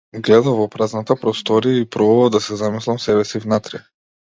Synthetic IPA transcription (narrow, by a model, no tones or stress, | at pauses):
ɡlɛd̪avɔpɾaznat̪apɾɔst̪ɔɾiaipɾɔbubalˠd̪asɛzamislˠamsɛbɛsivnat̪ɾɛ